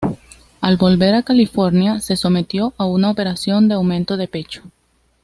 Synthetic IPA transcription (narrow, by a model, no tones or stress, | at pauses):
alβo̞lβe̞ɾakalifo̞ɾnjase̞so̞me̞t̪jo̞ʔaunaope̞ɾasjo̞nd̪eawmẽ̞nt̪o̞ðe̞pe̞t͡ʃo̥